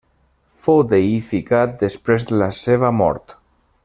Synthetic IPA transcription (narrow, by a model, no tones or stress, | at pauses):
fowd̪eifikat̪̚d̪espɾezd̪əlaseβ̞əmɔ̰ɾt̪